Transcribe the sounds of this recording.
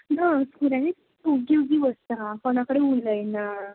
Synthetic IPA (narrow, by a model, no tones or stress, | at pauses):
naskuɾãɦe | puɡiwɡiʋəst̪aakoñakəɽeuləjna